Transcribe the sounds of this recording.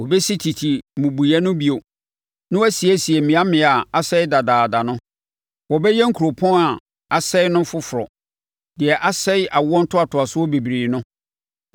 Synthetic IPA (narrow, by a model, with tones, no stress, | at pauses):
wo˨bɛ˦si˦tʰi˨tʰi˨mʊ̃˨bu˨jɛ˦nʊ̃˦bi˦o˨ | nʊ̃˦wæ˦si˨æ˦si˨ɛ˨mĩ˨a˦mɪ̃˨˦a˨a˨sɛ˦ɪ˦da˨daː˨da˨nʊ̃˦ | wɔ˨bɛ˦jɛ˦ŋ̩˦kʰu˨ɾo˨pʰɔ̃˦a˨ | a˨sɛ˦ɪ˦nʊ̃˦fʊ˦fʊ˨ɾɔ˨ | dɪ˨ɛ˨ʔa˦sɛ˦ɪ˦ʔa˨wɔ̃˦n̩˦tʰʊ˦a˨tʰʊ˨a˨sʊ˦ɔ˦bi˨bɾiː˨nʊ̃˦